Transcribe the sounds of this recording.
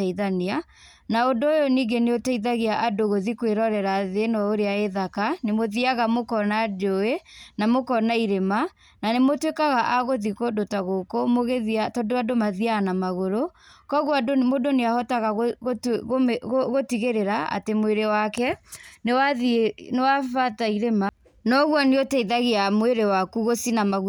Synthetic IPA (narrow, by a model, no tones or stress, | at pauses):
aiðania | naondoojoniɡeneotaiðaɣeaʔadoɣoðikweɾɔɾɛɾaːðenɔoɾeaeðakanemoðiaɣamokɔnad͡ʒoenamokɔnaiɾema | nanemotwekaɣaʔaɣoðikodotaɣokomoɣeðatɔdoadomaðiaːnamaɣoɾo | kɔɣwadomodoneahɔtaɣa | ɣɣoɣotiɣeɾeɾaa̰temweɾewakɛnewaðnewafataiɾema | nɔɣwaneotaiðaɣeamweɾewakuɣosinamaɣu